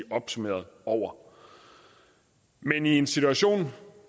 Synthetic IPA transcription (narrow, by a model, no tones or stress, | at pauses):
ɒ̽b̥sumḛːɐð̞ˠɒʊ̰ɐ | menie̝nsit͡sʰuæɕo̝̰ːn